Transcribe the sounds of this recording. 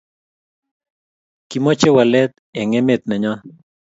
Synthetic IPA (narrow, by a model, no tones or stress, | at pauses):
kimɔt͡ʃewalɛt̪ | ɛŋɛmet̪̚nɛɲɔ